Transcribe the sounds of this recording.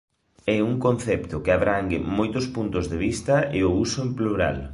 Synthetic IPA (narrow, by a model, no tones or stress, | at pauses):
ɛuŋkon̟θɛpt̪ʊkɪaβɾaŋɡɪ̰mojt̪ʊspunt̪ʊzðeβist̪ɐɪʊusoempluɾa̰l